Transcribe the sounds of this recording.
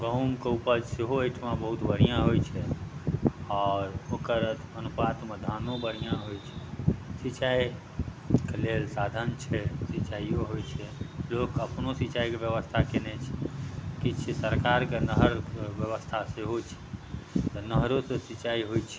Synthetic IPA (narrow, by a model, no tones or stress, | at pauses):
ɡəɦumkeupəd͡ʒseɦoəjʈʰmabəɦut̪bʱəɾijãɦojt͡ʃʰɛ | ɔːɾokəɾət̪ʰənupat̪med̪ʱanõbəɾijãɦojt͡ʃʰɛ̥sit͡ʃai | kelelsad̪ʱənt͡ʃʰɛsit͡ʃaioɦojt͡ʃʰɛlokəpnosit͡ʃaikebjəʋəst̪ʰakenɛt͡ʃʰɛ̥kit͡ʃʰisəɾkaɾkenəɦəɾbjəʋəst̪ʰaseɦot͡ʃʰɛ̥t̪ɔnəɦɾosẽsit͡ʃaiɦojt͡ʃʰɛ